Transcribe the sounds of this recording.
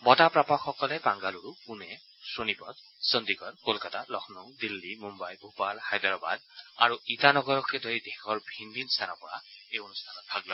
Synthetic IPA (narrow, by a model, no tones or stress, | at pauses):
mɔtapɹapɔkːɔkɔlɛpaŋɡaluɹukunɛ | sonipɔt | sɔnd̪iɡɔɹkolkatalɔxʰnɔwdilːimumbajbʱupalhajdɔɹɔba̰da̰ɹuitanɔɡɔɹɔkʰedoɹidexʰɔɹbʱinbʱinst̪ʰanɔpɔɹa̰ejonustʰanɔt̚bʰʱaɡlɔ